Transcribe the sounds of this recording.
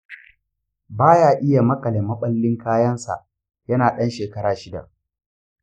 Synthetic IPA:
baː˦jaː˦˨ʔɪ˦ja˨mɐ˦kʼɐ˨le˨mɐ˦ɓɐ˦lːɪ˦ŋkaː˦jɐ˦nsa̰˨ʔ | jɐ˦naː˨ɗɐ˦nʃeː˨kɐ˦ɾaː˨ʃɪ˦da̰˨ʔ

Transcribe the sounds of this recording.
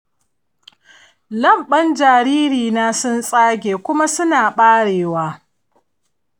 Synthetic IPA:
lɐ˦˨mɓɐ˦nd͡ʒaː˨ɾiː˦ɾiː˨naː˦sʊ˦nsʼaː˦ɡʲeː˨kʷʊ˦ma˦sʊ˦naː˨ɓaː˦ɽeː˨waː˦

